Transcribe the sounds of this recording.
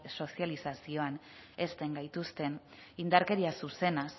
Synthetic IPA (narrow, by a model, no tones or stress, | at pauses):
so̞sialisasio̞ane̞st̪e̞ŋɡajt̪ust̪e̞n | ind̪aɾke̞ɾiasuse̞nas